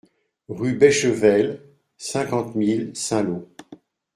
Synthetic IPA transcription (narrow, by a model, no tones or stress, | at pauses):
ʁybɛʃəvɛl | sɛ̃kɑ̃t̪milsɛ̃lo